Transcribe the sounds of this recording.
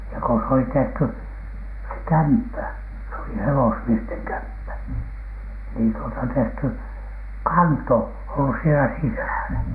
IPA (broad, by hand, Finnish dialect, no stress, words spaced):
jɑ ko s oli tehty se kæmpːæ se oli hewosmiesteŋ kæmpːæ niːn tuotɑ tehty kɑnto olːus sielæ sisæˑlæ